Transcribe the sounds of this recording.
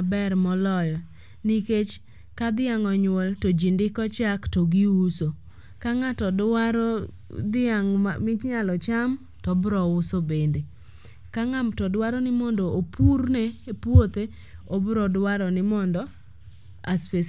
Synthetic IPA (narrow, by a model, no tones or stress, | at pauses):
bɛɾmɔlɔjɔ | niket͡ʃ | kad̪ɪaŋɔɲʊwɔltɔd͡ʒindɪkɔt͡ʃaktoɡiuso | kaŋatɔdwaɾɔ | d̪ɪaŋmɪt͡ʃɲalɔt͡ʃam | tɔbɾɔʊsobende | kaŋamtɔdwaɾɔnɪmɔndɔopuɾneːpwot̪e | obɾɔdwaɾɔnɪmɔndɔ | aspe